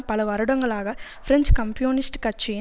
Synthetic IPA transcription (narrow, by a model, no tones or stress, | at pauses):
pɐlɐʋɐɾɯɽɐŋɡɐɭaːɣɐfɪɾɛɲt͡ʃkɐmpɪjuːnɪsʈkɐt͡ʃːɪ